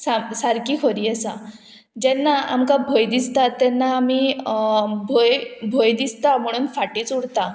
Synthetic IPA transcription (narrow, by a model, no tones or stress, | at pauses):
sasaɾkiːkʰoɾiːasa | d͡ʑɛnːaa̰mkabʱojd̪ist̪at̪ːɛnːaːmiː | bʱojbʱojd̪ist̪am̤əɽ̃uːnfaʈiːt͡suɽt̪a